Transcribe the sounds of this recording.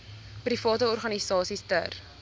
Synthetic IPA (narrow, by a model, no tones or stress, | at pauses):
prifɑːtəɔrχɐnisɑːsistə̰r